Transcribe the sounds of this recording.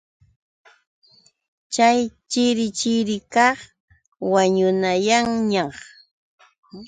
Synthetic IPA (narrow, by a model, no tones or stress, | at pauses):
t͡ʃajt͡ʃɪɾɪt͡ʃɪɾɪkɑχ | waɲʊnajaŋɲɑχ